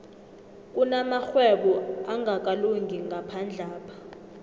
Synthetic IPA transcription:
k̬ʼunamaxwɛɓɔaŋɡʱak̬ʼaluŋɡʱiŋɡʱapʰand͡ɮʱaːpʰḁ

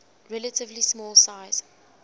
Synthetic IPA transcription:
ɹɛlətɪvlismɔːlˠsaɪz̥

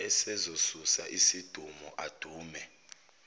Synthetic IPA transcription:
ɛsɛzosusaʔisid̥ʱumɔʔad̥ʱuːmɛ

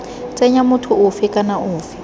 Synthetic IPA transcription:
t͡sʼɛɲamʊtʰʊʊfɪkʼanaʔʊːfi

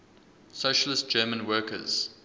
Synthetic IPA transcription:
soʃəlɪst̚d͡ʒ̥ɜːmə̃nwɜːˑkʰə̰z̥

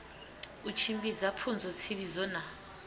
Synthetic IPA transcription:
ut͡ʃʰimbizapʰund͡zʱɔt͡sʰiβizɔna

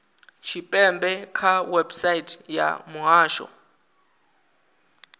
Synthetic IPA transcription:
t͡ʃʰipʼɛmbʱɛkʰawɛbsajitʰʼja̰muɦaːʃɔ̰

